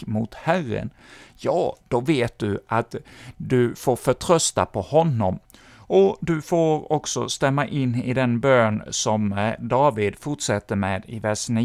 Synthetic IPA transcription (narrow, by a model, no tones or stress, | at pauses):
mʊt̪hærə̰n | jɑːd̪̥ɔveːt̪̚d̪ɵat̪d̪ɵfoːɾfœʈʰɾœst̪apʰɔhɔnːɔm | ɔd̪ɵfoːɾɔksɔ̰st̪ɛmːaʔɪnːɪd̪ɛnbøːnsɔmd̪ɑːvɪd̪fʊʈʂɛt̪ːəɾmeːd̪ɪvæʂniː